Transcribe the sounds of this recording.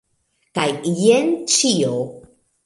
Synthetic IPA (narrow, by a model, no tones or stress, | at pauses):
kajjent͡ʃio